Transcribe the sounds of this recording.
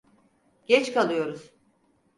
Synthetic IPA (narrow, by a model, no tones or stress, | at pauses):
ɟ̥ɛt͡ʃkalˠɯjo̞ɾuz̥